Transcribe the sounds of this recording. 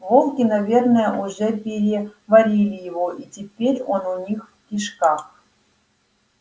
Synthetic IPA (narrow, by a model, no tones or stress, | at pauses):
volˠkʲinavʲernəjəʔuʐɛpʲeɾʲevaɾʲilʲɪjɪvoʔitʲɪpʲeɾʲonunʲixfkʲiʂkax